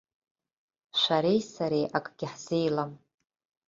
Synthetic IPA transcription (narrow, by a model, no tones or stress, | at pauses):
ʃʷaɾejsaɾejʔakʼɡʲɪħz̥e̞jlam